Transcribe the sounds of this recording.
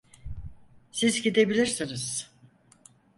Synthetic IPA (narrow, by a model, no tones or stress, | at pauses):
sizɟid̪e̞bilʲiɾsiniz̥